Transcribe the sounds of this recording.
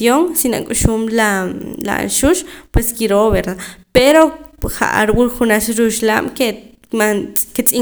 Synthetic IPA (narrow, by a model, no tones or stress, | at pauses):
oŋsina̰kʼuʃuːmlala̰a̰nʃuʃpweskiɾoβeɾd̪apeɾoχa̰ʔa̰ɾwulχunaʃɾuʃla̰ːm̥ke | manket͡sʼi